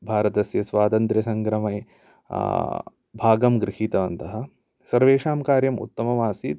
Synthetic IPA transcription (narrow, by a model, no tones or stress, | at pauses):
bʱaːɾɐt̪ɐsjɐsʋaːt̪ɐnt̪ɾɐsɐŋkɾɐmɐj | bʱaːɡɐmɡɾɪhiːt̪ɐʋɐnt̪ɐɦɐ̆ | sɐɾʋeːʂaːmkaːɾjɐmṵt̪ːɐmɐʋaːsi